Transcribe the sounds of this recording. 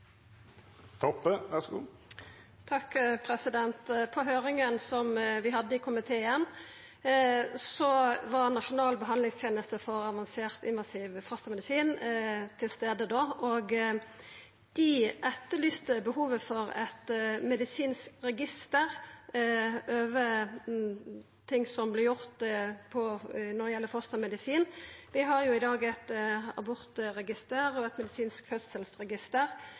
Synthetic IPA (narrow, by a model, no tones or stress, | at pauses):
t̪ʰɔpːəʋæsɡṵː | t̪ʰɑkpʰɾɛsɪd̪ɛnt̪pʰɔɦøːɾɪŋənsɔmʋɪɦɑd̪ːəɪkʰʊmɪt̪ʰeːən | sɔʋɑʁnɑʃʊnɑːlbəɦɑndlɪŋst̪ʰjeːnəst̪əfɔɾɑʋɑnseːʁt̪ɪnʋɑsiːʋfɔst̪əmɛd̪ɪsiːnt̪ʰɪlst̪eːd̪əd̪oːʔoɡ | d̪̥ɪʔɛt̪ːəlyːst̪əbəhuːʋəfɔɾɛ̰t̪mɛd̪ɪsiːnskʁɛɡɪst̪əʁ | ʔøːʋə | t̪ʰɪŋsɔmblɪɾjʊʁt̪pʰɔnɔɾjɛlːəfɔʁst̪əʁmɛd̪ɪsiːnʋɪɦɑɾjʊɪd̪ɑːɡɛt̪ɑ̰bʊɾt̪əɾɛɡɪst̪əːɾɔɛt̪mɛd̪ɪsiːnskfœssəlsʁɛɡɪst̪əɾ